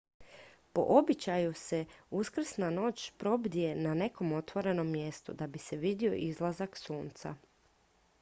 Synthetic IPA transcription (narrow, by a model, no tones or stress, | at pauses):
po̞̰ʔo̞bit͡ɕajuse̞uskr̩snano̞ːt͡ɕpɾo̞bd̪ije̞nane̞ko̞mo̞t̪ʋo̞ɾe̞no̞mːje̞st̪ṵd̪abise̞ʋid̪io̞̰ʔizlˠazaksuːnt̪sa̰